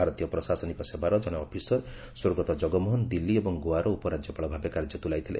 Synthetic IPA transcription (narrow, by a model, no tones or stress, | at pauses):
aɾɔt̪ijɔpɾɔsasɔnikɔsebaɾɔd͡ʒɔɽ̃ɔpʰisɔɾ | soɾɡɔt̪ɔd͡ʒɔɡɔmɔɦɔnd̪ilːiebɔŋɡoaɾɔupɔɾad͡ʒjɔpaɭɔbʱabekaɾd͡ʒɔt̪ulajt̪ʰilḛ